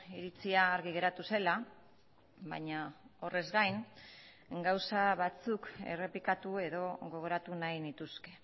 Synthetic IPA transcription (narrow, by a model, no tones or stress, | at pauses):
iɾit͡siaːɾɣiɣe̞ɾat̪use̞la | βa̰ɲao̞re̞zɡajn | ɡawsaβat͡suke̞̰re̞pikat̪ue̞ðo̞ɣo̞ɣ̞o̞ɾat̪unajnit̪uske̞̥